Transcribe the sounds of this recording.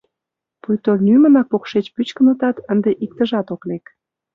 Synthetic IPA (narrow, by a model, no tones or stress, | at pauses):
pujt̪olʲnymə̆nɑk̚pokʃet͡ɕpyt͡ɕkənə̆t̪ɑt̪ənd̪eʔik̚t̪əʒɑt̪oklek